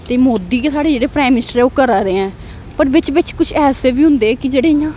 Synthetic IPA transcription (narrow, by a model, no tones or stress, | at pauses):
t̪eːmoːd̪iːkeːsaːɽeːd͡ʒeːɽeːpɾaːimɪnɪsʈəɾɛːoːkəɾaːɾeːɛ̃ː | pəɾʋɪt͡ʃʋɪt͡ʃkʊt͡ʃʰɛːseːbiːɦʊ̃nd̪eːkɪd͡ʒeːɽeːɪjãː